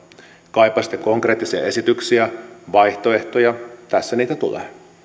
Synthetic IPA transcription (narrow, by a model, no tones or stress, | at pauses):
kɑjpːˑɑsit̪ːˑeko̞ŋkreːt̪ˑːisiɑ̰e̞sit̪yksiæʋɑjht̪o̞e̞ht̪ojɑt̪æsːæniːt̪æt̪ulḛː